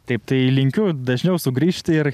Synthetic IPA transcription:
t̪ɐɪp̚t̪ɐɪlʲɪŋʲkʲʊd̪ɐʒʲnʲɛʊsʊɡɾʲiːʃʲt̪ʲɪɪɾ

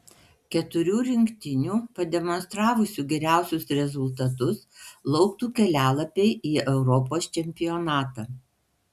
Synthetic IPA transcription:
kʲɛt̪ʊɾʲuːɾʲɪŋkt̪ʲɪnʲuːpɐd̪ʲɛmɔnst̪ɾɑːʋʊsʲuːɡʲɛɾʲæˑʊsʲʊsɾʲɛzʊlˠt̪ɐt̪ʊslˠɒʊkt̪uːkʲɛlʲæːlˠɐpʲɛɪʔiːɛʊɾɔpoːst͡ʃʲɛmʲpʲɪjonɑːt̪ɑː

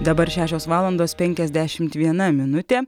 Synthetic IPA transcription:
d̪ɐbɐɾʃʲæːʃʲoːsʋɑːlˠɐnd̪oːspʲɛŋʲkʲɛzʲd̪ʲæʃʲɪmt̪ʋʲiɛnɐmʲɪnʊt̪ʲeː

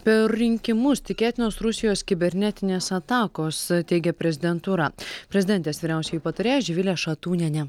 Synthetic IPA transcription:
pʲɛɾːʲɪŋʲkʲɪmʊst̪ʲɪkʲeːt̪ʲɪnoːsɾʊsʲɪjoːskʲɪbʲɛɾʲnʲɛt̪ʲɪnʲeːsɐt̪ɑːkoːst̪ʲɛɪɡʲɛpʲɾʲɛzʲɪd̪ʲɛnt̪uːɾɐpʲɾʲɛzʲɪd̪ʲɛnʲt̪ʲeːsʋʲiːɾʲɛˑʊsʲɛjuːpɐt̪ɐɾʲeːjɛd͡ʒʲɪʋʲɪlʲeːʃɐt̪uːnʲɛnʲɛ

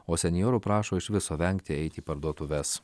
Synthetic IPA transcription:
oːsʲɛnʲɪjoːɾʊpɾɑːʃoːɪʃʲʋʲɪsoːʋʲɛŋʲk̚t̪ʲɪɛɪt̪ʲiːpɐɾd̪uɔt̪ʊʋʲɛs

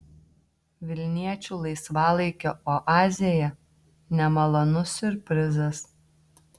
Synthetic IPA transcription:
ʋʲɪlʲnʲiɛt͡ʃʲuːlˠɐɪsʋɑːlˠɐɪkʲoʔoʔɑːzʲɪjɛ | nʲɛmɐlˠɐnʊsʊɾpʲɾʲɪzɐs

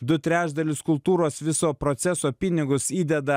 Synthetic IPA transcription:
d̪ʊt̪ʲɾʲæːʒd̪ɐlʲɪskʊlˠt̪uːɾoːsʋʲɪsoːpɾot̪sʲɛsoːpʲɪnʲɪɡʊsiːd̪ʲɛd̪ɐ

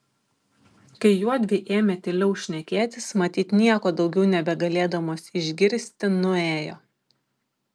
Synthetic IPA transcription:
kɐɪjuɔd̪ʲʋʲɪʔeːmʲeːt̪ʲɪlʲɛʊʃʲnʲɛkʲeːt̪ʲɪsmɐt̪ʲiːt̪nʲiɛkoːd̪ɒʊɡʲɛʊnʲɛbʲɛɡɐlʲeːd̪ɐmoːsʲɪʒʲɡʲɪɾʲsʲt̪ʲɪnʊeːjo̰ː

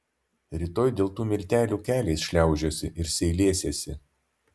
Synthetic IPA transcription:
ɾʲɪt̪oːjd̪ʲeːlˠt̪uːmʲɪlʲt̪ʲæːlʲuːkʲæːlʲeɪsʃʲlʲæˑʊʒʲoːsʲɪʔɪɾsʲɛɪlʲeːsʲesʲɪ

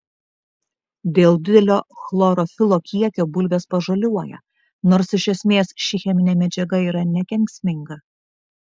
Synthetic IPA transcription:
d̪ʲeːlˠd̪ʲɪd̪ʲɛlʲoːxlˠoːɾɔfʲɪlˠoːkʲiɛkʲoːbʊlʲʋʲeːspɐʒɐlʲuɔjɛ̰ | noːɾsɪʃʲɛsʲmʲeːsʃʲɪxʲɛmʲɪnʲeːmʲɛd͡ʒʲɛɡɐiːɾɐnʲɛkʲɛŋʲksʲmʲɪŋɡɐ

